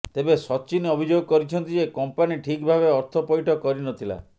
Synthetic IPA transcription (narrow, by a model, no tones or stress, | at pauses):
t̪ebesɔt͡ʃinɔbʱid͡ʒoɡɔkɔɾit͡ʃʰɔnt̪id͡ʒekɔmpaniʈʰikbʱabeɔɾt̪ʰɔpɔjʈʰɔkɔɾinɔt̪ʰila̰